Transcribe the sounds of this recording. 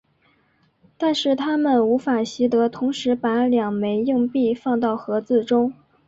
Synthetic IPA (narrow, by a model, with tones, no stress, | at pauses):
t̪a˥˧nʂɻ̩˥˩t̪ʰa˥mə˨nu˧˥fa˨˩ɕi˧˥t̪ɤ˧˥t̪ʰʊ˧˥ŋʂɻ̩˧˥pa˧˥ljɑ˨˩ŋme˧˥ɪji˥˧ŋpi˥˧fɑ˥˧ŋt̪ɑ˥˩ʊxɤ˧˥t͡sɹ̩˥˩ʈ͡ʂʊ˥ŋ